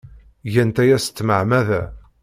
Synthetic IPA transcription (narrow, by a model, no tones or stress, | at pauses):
ʝænt̪æjæsə̥t͡s̪ːməʕmæðæ